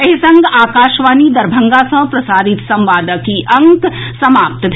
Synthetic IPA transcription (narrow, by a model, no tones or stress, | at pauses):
ɐɦɪsɐ̃ŋɡaːkaːʃʋaːnid̪ɐɾbʱɐ̃ŋɡasɐ̃pɾɐsaːɾɪt̪sɐ̃mʋaːd̪əkiʔɐ̃ŋksɐmaːp̚t̪b̪